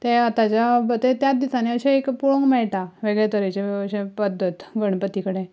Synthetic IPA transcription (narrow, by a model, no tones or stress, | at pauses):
t̪eat̪at͡ɕjabət̪et̪jat̪̚d̪isaneəɕeekpuɭoŋɡmɛɭʈaʋeɡɭet̪əɾət͡ɕeəɕẽpəd̪ʱːət̪ɡəɽ̃pət̪ikəɽe